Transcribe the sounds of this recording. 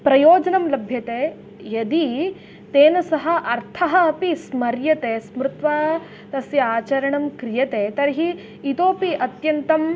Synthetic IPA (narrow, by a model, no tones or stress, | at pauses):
pɾɐjoːd͡ʒɐnɐmlɐbʱjɐt̪eː | jɐd̪i | t̪eːnɐsɐɦɐ̆ʔɐɾt̪ʰɐɦɐːpismɐɾjɐt̪eːsmɾɪt̪ʋaː | t̪ɐsjɐaːt͡ʃɐɾɐɳɐmkɾijɐt̪eːt̪ɐɾɦiː | t̪oːpiɐt̪jɐnt̪ɐm